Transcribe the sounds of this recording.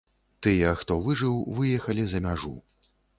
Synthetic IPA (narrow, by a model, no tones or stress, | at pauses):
t̪ɨjɛxt̪ɔvɨʐɨwvɨjɛxɐlʲizɐmʲaʐṵ